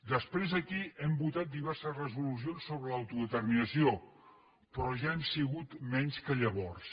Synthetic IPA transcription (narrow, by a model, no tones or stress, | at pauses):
d̪əspɾezəkiʔɛmbut̪at̪̚d̪iβ̞ɛrsəzrəzulus̬ionsːoβɾələwt̪uðət̪ərminəsio | pɾɔʒaemsiɣut̪mɛɲskəʎəβ̞ɔrs